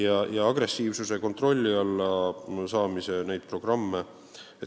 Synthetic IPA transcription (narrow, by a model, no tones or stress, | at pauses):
jɑjɑɑɡɾe̞sːiːvsuse̞ko̞nt̪ro̞lʲːiɑlːɑsɑːmise̞ne̞jd̪̥̚pro̞ɡ̥rɑmːe | et̪